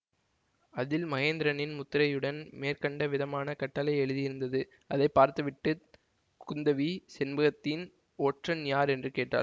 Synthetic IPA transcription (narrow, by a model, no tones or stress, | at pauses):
ɐðɪlmɐɣeːnd̪ɪɾɐnɪnmʊt̪ːɪɾɐjɯɽɐnmeːrkɐɳɖɐʋɪðɐmaːnɐkɐʈːɐlɐɪɛɻɯðijɪɾɯnd̪ɐðɯ | ʔɐðɐɪpːaːɾt̪ɯʋɪʈːɯ | kʊnd̪ɐʋisɛnbɯɣɐt̪ːɪn | oːʈrɐnjaːɾɛndrɯkeːʈːa̰ːl